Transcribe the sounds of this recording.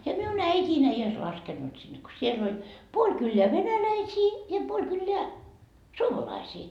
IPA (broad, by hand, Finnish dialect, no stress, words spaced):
jɑ miun æitʲiːn ei ois lɑskenːut sinːe ko siel olʲ puolʲ kylːeæ ʋenælæisiː jɑ puolʲ kylːeæ suomɑlɑisiː